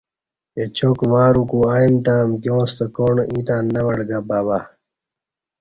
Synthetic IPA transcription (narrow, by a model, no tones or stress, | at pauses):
et͡ɕʰokmaːɾukuːaːimt̪aːmkjõːst̪ɐkoːɳʔĩːt̪aːnːɐwɐɽɡabaːβa